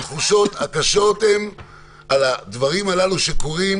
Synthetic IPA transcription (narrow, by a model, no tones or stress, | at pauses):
t̪χuʃo̞t̪hakaʃo̞t̪em | alad̪vaʁimalaluʃe̞ko̞ʁim